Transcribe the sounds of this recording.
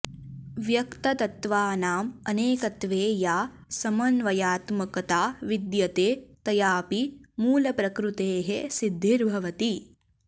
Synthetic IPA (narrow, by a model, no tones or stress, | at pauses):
ʋjɐkt̪ɐt̪ɐt̪ʋaːnaːmɐneːkɐt̪ʋeːjaː | sɐmɐnʋɐjaːt̪mɐkɐt̪aːʋid̪jɐt̪eːt̪ɐjaːpimuːlɐpɾɐkɾut̪eːɦesid̪ʱːiɾbʱɐʋɐt̪i